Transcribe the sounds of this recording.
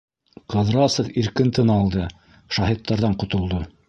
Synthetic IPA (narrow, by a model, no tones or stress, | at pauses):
qɤ̆ðɾɑsŏfiɾkɘ̆nt̪ɤnɑlˠd̪ɤ | ʃɑɦit̪ːɑɾðɑɴqŏt̪ŏlˠd̪o